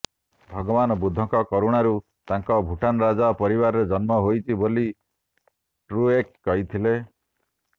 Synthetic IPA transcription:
bʱɔɡɔbanɔbud̪ʱːɔŋkɔkɔɾuɽ̃aɾu | t̪aŋkɔbʱuʈanɔɾad͡ʒapɔɾibaɾɔɾed͡ʒɔnmɔɦojt͡ʃʰiboli | ʈɾuekːɔɦit̪ʰile

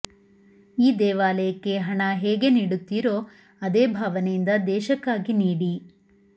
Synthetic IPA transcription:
iːd̪ɛːʋaːlɐjɐkːe̞ɦɐɳɐɦeːɡe̞niːɽut̪ːiɾo̞ː | ɐd̪eːbʱaːʋɐnejind̪ɐd̪ɛːʃɐkːaːɡiniːɽi

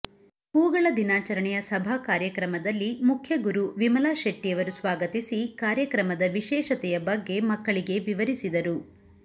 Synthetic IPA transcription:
uːɡɐɭɐd̪inaːt͡ʃɐɾɐɳɛjɐsɐbʱakaːɾjɐkɾɐmɐd̪ɐlːimukʰjɐɡuɾuʋimɐlaːʃɐʈːijɐʋɐɾusʋaːɡɐt̪isikaːɾjɐkɾɐmɐd̪ɐʋiʃɛːʃɐt̪ɛjɐbɐɡːe̞mɐkːɐɭiɡe̞ʋiʋɐɾisid̪ɐɾu

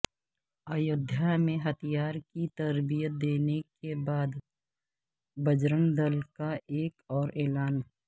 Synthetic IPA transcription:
aːjʊd̪ʱjamẽɦət̪ʰijaːɾkit̪əɾbijət̪̚d̪eːnekebaːd̪ | bəd͡ʒɾənd̪əlkaʔeːkɔːɾɛːlaːn

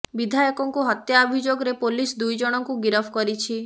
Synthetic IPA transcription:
bid̪ʱajɔkɔŋkuɦɔt̪jaːbʱid͡ʒoɡɔɾepolisd̪ujd͡ʒɔɽ̃ɔŋkuɡiɾɔpʰkɔɾit͡ʃʰi

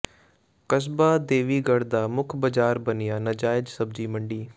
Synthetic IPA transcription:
kəsbaːd̪eːʋiːɡəɽd̪aːmʊkʰbəd͡ʒaːɾbənɪjaːnəd͡ʒaːɪd͡ʒsəb̚d͡ʒiːməɳɖiː

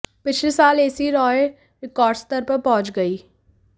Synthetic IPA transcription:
pɪt͡ʃʰlesaːleːsiɾɔːe | ɾɪkɔːɾɖst̪əɾpɐɾpɔ̃ːʊ̃t͡ʃɡɐiː

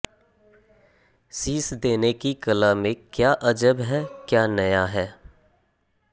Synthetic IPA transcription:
siːsd̪eːnekikɐlamẽkjaːʔɐd͡ʒəbɦɛːkjaːnɐjaɦɛː

